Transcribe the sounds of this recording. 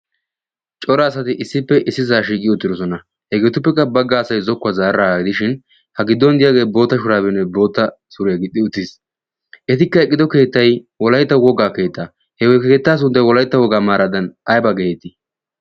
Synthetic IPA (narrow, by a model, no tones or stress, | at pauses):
t͡ʃʼɔɾɐːsɐt̪ɪʔɪsːɪpːɛʔɪsːɪzaːʃiːkʼɪjɔʊt̪ːɪd̪ɔsɔnɐ | hɛɡe̞ːt̪ʊp̬ːɛkːɐbɐɡːaːsɐjzɔkːazaːɾɾaːɡɪd̪ɪʃɪn | hɐɡɪd̪ːɔnd̪ɪjaːɡe̞ːbo̞ːt̪ːɐʃʊɾaːbɛnːɛbo̞ːt̪ːɐ | sʊɾɪjaɡɪd̪ɪʊt̪ːɪs | ʔɛt̪ɪkːɐɛkʼːɪd̪ɔke̞ːt̪ːɐjwɔlɐjt̪ːɐwɔɡaːke̞ːt̪ːa | hɛwɔjkeːt̪ːaːs̬ʊnd̪ɐjwɔlɐjt̪ːɐwɔɡaːmaːɾɐd̪ɐnʔɐjbaɡeɛt̪ːɪ